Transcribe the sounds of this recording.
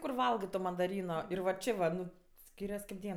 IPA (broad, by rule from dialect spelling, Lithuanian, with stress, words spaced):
kʊr ˈʋɐlˠɡɜ toː mɐndɐˈrʲiːnoː ˈɪr ʋɐ ˈt͡ʃʲeː ʋɐ ˈnʊ ˈsʲkʲiːrʲɛs kɐɪp ˈdʲiɛn